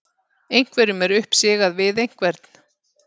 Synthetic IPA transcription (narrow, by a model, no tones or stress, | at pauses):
ejŋ̥kvɛɾʏmɛɾʏhpsɪːɣaðvɪðejŋ̥kvɛɾt̪n̥